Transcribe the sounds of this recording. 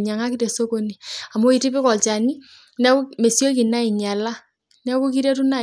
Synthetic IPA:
ɲa˨ŋa˦ki˦te˨so˦ko˦ni˨a˨mo˦i˨ti˦pi˦kɔ˨lt͡ʃa˨ni˦ | nɛ˦me˨sjo˦ki˨na˦i˨ɲa˨la˦ | nɛ˦ku˦ki˦ɾe˦tu˦na˦

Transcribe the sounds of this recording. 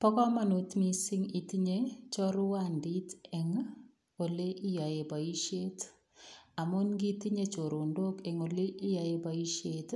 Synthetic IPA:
pɔ˦kɔ˦ma˨nu˨tmi˨si˦ŋi˨ti˦ɲe˦t͡ʃɔ˦ɾʊ˦wa˦ndi˦tɛ˨ŋ | o˨le˦ʔi˦jɔ˨e˨ba˨i˦ʃe˦t | a˨mʊ˦nɡi˦ti˦ɲe˦t͡ʃo˨ɾo˨ndo˦kɛ˨ŋo˨le˦ʔi˦jɔ˨e˨ba˨i˦ʃe˦t

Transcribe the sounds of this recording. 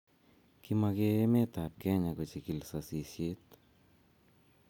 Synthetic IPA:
kima˧keme˦t̪a˨p̚kɛ˦ɲako˨t͡ʃiki˨lsasi˨sje˦t̪

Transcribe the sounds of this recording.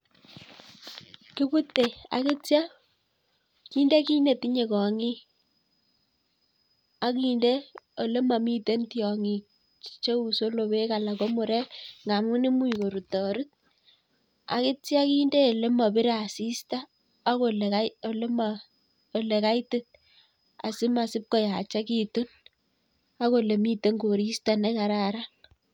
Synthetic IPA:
kɪ˦bu˦tːe˨a̰˨ke˦tja˦ | ki˦nde˦ki˦ne˨ti˦ɲe˨kɔ˨ŋi˦ | a˦ki˨˦nde˦o˨le˦ma˨mi˦te˦ntjɔ˨ŋi˨ | t͡ʃo˦u˨so˦lo˨βe˦ka˨la˨ko˦mʊ˨ɾe˦ŋa˨mu˦ne˦mu˦˨ko˨ɾu˨tɔ˨ɾɪ˦t̚ | a̰˨kɪ˦ti˦a˦ki˦nde˦˨le˦ma˨bɪ˦ɾa˨si˦staː˦ | ko˨lealma | o˨le˨ka˦jtɪ˦t̚ | a̰˨sɪ˦ma˨sɪ˦p̚ko˦ja˨t͡ʃa˦ki˦tu˦n | a˦ko˨le˨mi˦te˦ŋɡo˨ɾi˦sta˦nɛ˦ka˨ɾa˨ɾa˦

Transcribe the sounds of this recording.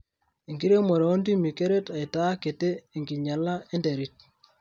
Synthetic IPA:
e˨ŋɡi˦ɾe˦mo˨ɾe˨o˦ndi˦mi˨ke˦ɾe˦ta˨i˨ta˦ke˨teː˦˨ŋɡi˨ɲa˨la˦e˦nde˨ɾi˦t̚

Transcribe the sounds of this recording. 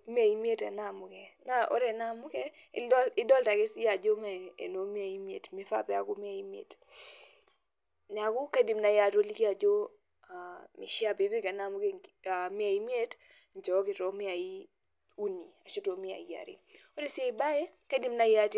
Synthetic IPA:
m˦a˨i˦mi˦e˦ta˨na˦˨mʊ˨kɛ˨na˦o̰˦ɾe˨na˦mʊ˦kɛ˦ɪ˦dɔ˦lta˨kɪ˦sɪ˦a˨d͡ʒo˦mɛ˨ḛ˨no˨˦m˦a˨i˦mi˦ḛ˨tmɪ˦fa̰˦˨pɛ˦a˨kʊ˦mɪ˦a˨i˦m˦ḛ˨t | n˨a˨kʊ˦ka˦di˨mna˦ja˦˨to˦li˦ki˦a˨d͡ʒo˦ | a˨mɪ̰˨ʃja˦pe˨be˦ka˨na˦˨mʊ˦ke˦a˨mɪ˦a˨i˦m˦e˦t | nd͡ʒɔ˨˦kɪ˨to˦mɪ˦a˨i˦ | u˦ni˨a˨ʃo˦to˨mɪ˦a̰˨i˨˦ja̰˨ɾɪ̰˦o˦ɾe˦sɪ˦a˦ɪ˨ba˦jɛ˦ka˦di˦m˦na˦ja˦t

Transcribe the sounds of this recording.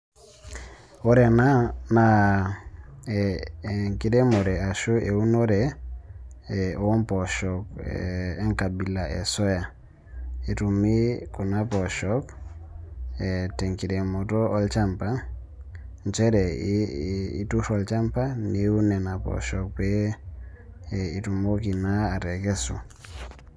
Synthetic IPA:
ɔ˦ɾɛ˨na˦na˨˦˨ | ŋki˨ɾe˦mo˨ɾɛ˨a˨ʃo˦ʔe˨u˦no˦ɾɛ˨ | ɔ˨ɔ˦mpɔ˨ʃɔ˨k̚ː | ŋka˨bi˨la˨ʔḛ˨sɔ˦ja˨ | e˨tu˨mi˦ku˨na˦pɔ˨ʃɔ˦k | tɛ˨ŋki˨ɾe˨mo˨tɔ˦ɔ˦lt͡ʃa˦mpa˦ | nt͡ʃɛ˦ɾɛ˨ | ḭ˨tu˦ʃɔ˨lt͡ʃa˦mpa˦ni˦u˦nɛ˨na˨pɔ̰˨ʃɔ˨k̚pe˦ | i˨tu˨mo˦ki˨na˦a˨ɾɛ˨kɛ˦sṵ˨

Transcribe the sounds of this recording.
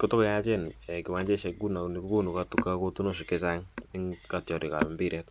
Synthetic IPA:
ko˦to˦kja˦t͡ʃe˦nɛ˨kɪ˨ma˦ɲd͡ʒe˦˨ʃɛ˧ɡu˦na˨ni˨ku˦ku˦nu˨ka˦tu˨ka˦ko˦tu˦no˦s̬i˨ke˦sa˦ŋni˦ŋka˨tjɔ˨ɾi˨ka̰˨a˨mbi˦ɾɛ˦t

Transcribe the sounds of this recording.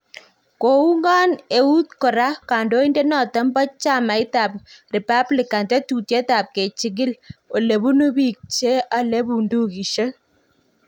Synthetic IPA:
ko˨u˦ŋɡa˦ne˨u˦t̪kɔ˨ɾa˦ka˨ndo˦i˦ndɛ˦nɔ˨tɔ˦mbɔ˦t͡ʃa˦ma˨˦ɪ˦ta˨p̚ri˨pa˦blɪ˨ka˨ntɛ˦tu˨te˦ta˨p̚ke˨t͡ʃi˨ɡɪ˦lo˨le˨bu˦nu˦bi˨k̚t͡ʃe˦a˨le˦bu˨ndu˦ki˨ʃe˦

